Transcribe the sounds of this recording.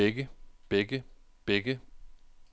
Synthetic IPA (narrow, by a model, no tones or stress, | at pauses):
eɡəb̥eɡ̥ə | b̥eɡ̥ə